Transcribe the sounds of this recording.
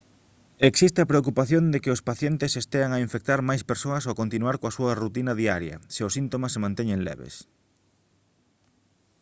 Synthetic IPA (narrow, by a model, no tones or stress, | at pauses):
eksist̪ɪapɾeok̬upaθjond̪ekɪʊspaθjent̪esest̪eaŋaiɱfek̚t̪aɾmajspeɾsoɐsoakont̪inuaɾkoasuɐrut̪inɐðiaɾjɐ̰seʊsint̪omasemãnt̪eɲeŋlɛ̰βḛs